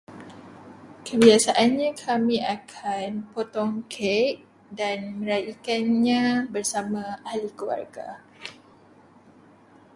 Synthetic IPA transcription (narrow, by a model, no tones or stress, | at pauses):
kʰəbiasaʔanɲãkʰamĩakʰanpot̪ɔŋkʰɛʔ̚ | danmə̃ɾajikanɲãbərsamãalikua̰rɡa̰